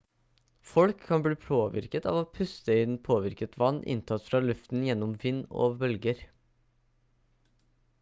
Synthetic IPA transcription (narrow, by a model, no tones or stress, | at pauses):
fɔlkʰːɑnbliːpʰoːʋɪ̰ɾkət̪ɑ̰ːʋoːpʰʉst̪əɪnpʰoːʋɪɾkət̪ʋɑnːʔɪ̰nt̪ʰɑt̪ːfɾɑːlʉft̪n̩jɛnːɔmʋɪnːo̰ːbœlɡəɾ